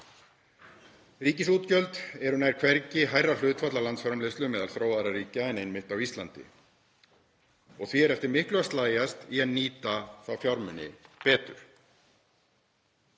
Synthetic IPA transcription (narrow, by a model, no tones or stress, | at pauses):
riːcɪsuːt̪cœlt̪ɛɾʏnajɾ̥kʰvɛɾcɪɦaːjrːal̥ʏːt̪fat̪lalant̪sfɔɾamlɪst̪lʏmɛːðalθɾoːwaðɾariːcaɛnejnmɪht̪awist̪lant̪ɪ̰ | ɔɣθviɛɾɛft̪ɪɾmɪhklʏast̪laːjast̪iɛðniːt̪aθawfjaɾmʏnːɪ̰pɛːt̪ʏ̰ɾ̥